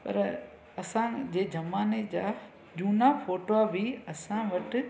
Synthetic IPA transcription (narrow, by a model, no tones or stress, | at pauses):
pɐ̰ɾ | ɐsãd͡ʑeːd͡ʑɐmaːned͡ʑaː | d͡ʑuːnafoːʈoabʱiɐsãʋɐʈɪ̆